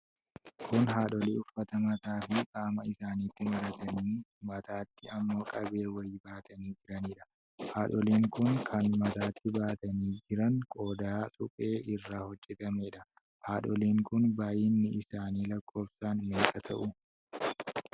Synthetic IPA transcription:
kʰʊnɦaːᶑɔliːʊfːɐt̪ɐmɐt̪aːfɪkʼaːmɐɪsaːniːt̪ːɪmɐɾɐt̪ɐnimɐt̪aːt̪ːɪɐmːo̞ːkʼɐbe̞ːwɐjɪbaːt̪ɐniːd͡ʒɪɾɐniːᶑɐ̥ | haːᶑɔliːŋkʊŋkʰɐnmɐt̪aːt̪ːɪbaːt̪ɐniːd͡ʒɪɾɐŋkʼo̞ːd̪aːsʼʊpʼe̞ːʔɪrːaːhɔd͡ʒʼɛt̪ʼɐmeːᶑɐ | haːᶑɔliːŋkʊnbaːjɪnːɪʔɪsaːniːlɐkʰːo̞ːbsaːnmeːkɐt̪ʰɐ̰ʔʊ

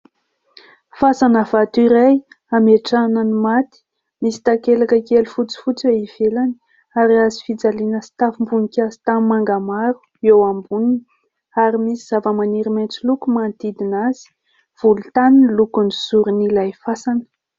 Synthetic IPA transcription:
fasanəv̥at̪uiɾaj | ameʈ͡ʂanənimat̪i̥ | misi̥t̪akelakəkelufut͡si̥fut͡seiv̥elani | aɾiazifid͡zalinəsi̥t̪afimbunikʲazi̥t̪ammaŋɡamaɾu̥ | ewambunini | aɾimisiz̥avəmaniɾiment͡silukumant̪id̪inaz̥i̥ | v̥ulut̪aninlukunizuɾunilajfasanə̥

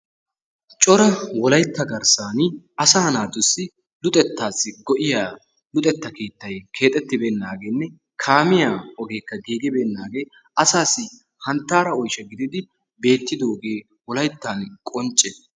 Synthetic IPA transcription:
t͡ʃʼɔɾɐwɔlɐjt̪ːɐɡɐɾsaːn | ɐsaːnaːt̪ːʊsːɪ | lʊt̪ʼɛt̪ːaːsːɪɡɔʔɪjaː | lʊt̪ʼɛt̪ːɐkeːt̪ːɐjkʰe̞ːt̪ʼɛt̪ːɪbeːnːaːɡeːnːɛ | kʰaːmɪjaːɔɡe̞ːkːɐɡiːɡɪbeːnːaːɡe̞ː | ɐsaːsɪ | hɐnt̪ːaːɾɐɔjʃɐɡɪd̪ɪd̪ɪ | be̞ːt̪ːɪd̪oːɡeː | wɔlɐjt̪ːaːnkʼɔnt͡ʃʼːɛ

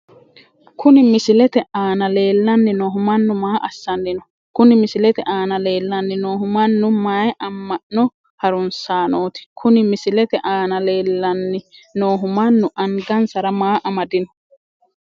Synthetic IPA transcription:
kʰʊnɪmɪsɪlɛt̪ɛʔaːnɐle̞ːlːɐnːɪnoːɦʊmɐnːʊmaːʔɐsːɐnːɪnɔ | kʊnɪmɪsɪlɛt̪ɛʔaːnɐleːlːɐnːɪnoːɦʊmɐnːʊmaːjʔɐmːɐʔnɔ | hɐɾʊnsaːnoːt̪ɪ̥kʰʊnɪmɪsɪlɛt̪ɛʔaːnɐle̞ːlːɐnːɪnoːɦʊmɐnːʊʔɐŋɡɐnsɐɾɐmaːʔɐmɐd̪ɪnɔ̥

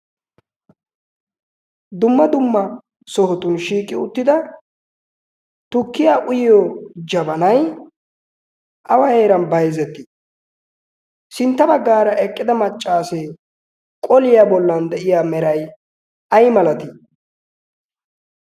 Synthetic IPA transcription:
d̪ʊmːɐd̪ʊmːɐ | sɔɦɔt̪ʊnʃiːkʼːɪʊt̪ːɪd̪ɐ | t̪ʊkːɪjaːʔʊjɪjɔd͡ʒɐbɐnɐj | ʔɐwɐjeːɾɐnbɐjzɛt̪ːɪ | sɪnt̪ːɐbɐɡːaːɾɐʔɛkʼːɪd̪ɐmɐt͡ʃʼːaːse | kʼɔlɪjaːbɔlːɐnd̪ɛʔɪjaːmɛɾɐj | ʔɐjmɐlɐt̪ɪ

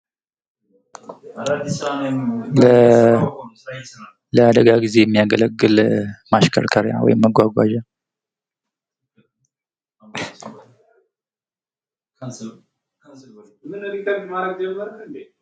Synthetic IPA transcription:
lə | ləad̪əɡaɡize̞jɛmːijaɡələɡːɨlmaʃkʰə̰ɾkʰəɾja̰wɔ̰jɪmːəɡʷaɡʷa̰ʒa | mɨnənit̪əɾɡmaəɡd͡ʒəməɾ

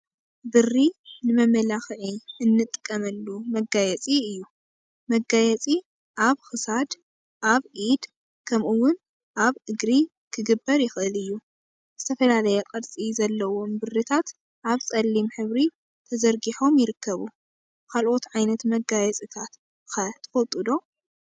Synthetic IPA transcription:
bɨrːinɨmɐmɐlaxʕiɨnːɨt̪ʼːɨkʼːɐmɐlːumɐɡajɛt͡sʼiɨjːu | mɐɡajɛt͡sʼi | ʔaβxɨsad̪ | ʔaβʕid̪ | kʰɐmʔuwʊn | ʔaβɨɡɾi | kʰɨɡɨbːɐɾjɪxɨʔɨlɨjːu | z̥ɨt̪ʰɐfɐlalɐjɐkʼɐd̪t͡sʼizɐlːɐwo̞mbɨrːit̪ʰat̪ | ʔaβt͡sʼɐlːimħɨβɾi | t̪ʰɐzɐɾɡiħo̞mjɪɾɨkʰːɐβu | kʰalʔo̞t̪ʕajnɐt̪mɐɡajɛt͡sʼit̪ʰat̪ | xɐt̪ʰɨ̥fot̪ʼːɨd̪o̞

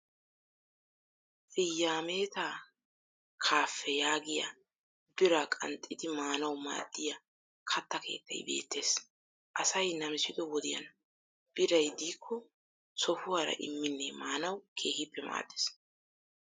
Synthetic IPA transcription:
fɪjːaːmeːt̪aː | kʰaːfːɛjaːɡɪja̰ | bɪɾakʼɐ̰nt̪ʼːɪd̪ɪmaːnɐwma̰ːd̪̥ːɪjɐ | kʰɐt̪ːɐkʰe̞̰ːt̪ːɐ̰jbe̞̰ːt̪ʰːe̞ːs | ʔɐsɐjnɐmɪsɪt̪ʼɔwɔd̪ɪjɐ̰n | b̥ɪɾɐjd̪iːkʰːɔ | sɔhʊwaːɾɐ̰ʔɪ̰mːɪnːemaːnɐwkʰe̞ːhɪpːɛma̰ːd̪ːɪ̥s

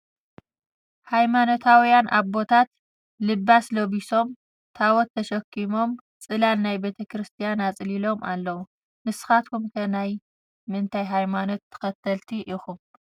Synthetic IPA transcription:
hajmano̞t̪ʰawjanʔa̰βbo̞t̪ʰat̪ | lɨbːasloβiso̞m | t̪ʰawɔt̪ʰːɐʃɐkʰːimo̞m | t͡sʼɨlannajbe̞t̪ʰɐkɾɨst̪ʰijanat͡sʼlilo̞mʔalːɐwu | nɨsɨ̥xat̪kʰumkʰɐnaj | mɨnt̪ʰajɦajmano̞t̪ʰːɐ̥xɐt̪ʰːɐlt̪ʰiʔixum

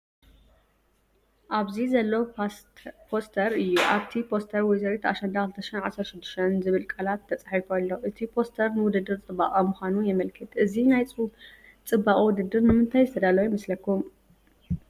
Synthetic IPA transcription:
ʔaβzizɐlːo | pʰost̪ʰɐɾɨjːuʔaβt̪ʰipʰo̞st̪ʰɐɾwɔjzɐɾet̪aʃɐnd̪akɨlɨt̪ʰɐʃinʕasɐɾʃɪd̪ːɨ̥ʃt̪ʰɐnzɨβɨlkʼalat̪ʰːɐt͡sʼaħiflːo̞ʔɨt̪ʰipʰo̞st̪ʰɐɾnɨwʊd̪ɨd̪ːɨɾt͡sʼɨbːaʔʼɐmʊxʷanujɛmɐlkʰɨt̪ɨzinajt͡sʼ | t͡sʼɨbːaʔʼwʊd̪ɨd̪ːɨɾnɨmɨnt̪ʰajzɨt̪ʰɐd̪alɐwjmɐslɐkːum

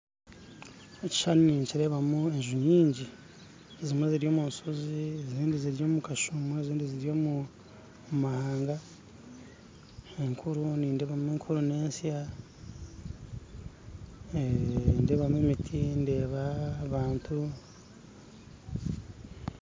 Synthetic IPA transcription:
eci̥ʃanuniːɲciɾe̞βamue̞ɲʒuɲiːɲɟi | ezimweziɾijo̞ːmunsozieziːndiziɾijo̞ːmukaʃumueziːndiziɾijo̞mu | mahaːŋɡa | eŋkʰuɾuniːnde̞ːβamueːŋkʰuɾune̞ːnsja | nde̞ːβamuemitʰinde̞ːβaβaːntʰu

